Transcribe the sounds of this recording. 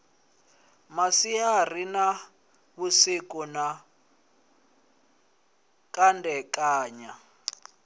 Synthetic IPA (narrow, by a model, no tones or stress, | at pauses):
masiar̤ina | βusikuna | kʼandɛkʼaːɲa